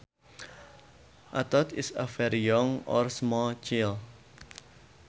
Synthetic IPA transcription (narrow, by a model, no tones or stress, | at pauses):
ʔat̪ɔt̪ɪsafɛɾijɔŋɔ̰rsmɔt͡ʃɪl